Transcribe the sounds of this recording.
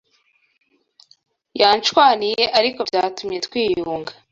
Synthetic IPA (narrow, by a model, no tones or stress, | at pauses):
jaːnt͡ʃwaːnijeʔaɾiko̞vɟaːtumje̞twiːjuːŋɡa